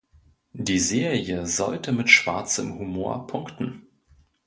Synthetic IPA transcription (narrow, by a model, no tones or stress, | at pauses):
diːzeːʁiəzɔ̰ltəmɪtʃv̥a̰ɐt͡sə̰mhumoːɐpʰʊŋktn̩